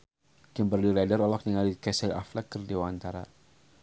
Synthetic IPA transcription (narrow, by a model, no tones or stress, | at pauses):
kimbərliladəɾɔlɔk̚niŋalikɛsɛla̰flɛkːərdewant̪aɾa